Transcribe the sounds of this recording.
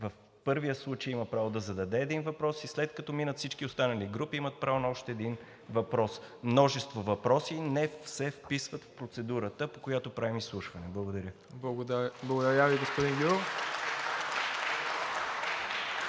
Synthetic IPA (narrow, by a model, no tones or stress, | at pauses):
vəf | pɤɾvijəslˠut͡ʃejiməɐpɾavod̪ɐzɐd̪ɐd̪ɛːd̪invɐpɾɔsislɛt̪̚kɐt̪ɔminət̪fsit͡ʃkiost̪anɐliɡɾupiimət̪̚pɾavonɐɔʃt̪ɛːd̪in | vɐpɾɔsmnɔʒɛst̪vovɐpɾɔsinɛfsɛfpisvət̪fpɾot̪sɛd̪uɾət̪əpokojat̪opɾavimislˠuʃvɐnɛblˠəɡod̪ɐɾʲjə | b̪ˠblˠɐɡod̪ɐɾʲjaviɡospʊd̪inɡʲuɾɛ